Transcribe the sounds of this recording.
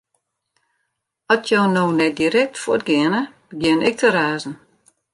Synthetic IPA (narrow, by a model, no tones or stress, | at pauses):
ɔtʰjoːnoːnɛt̚diɾɛk̚tfoətɡɪənəbəɡjɪənɪk̚tʰəɾaːzn̩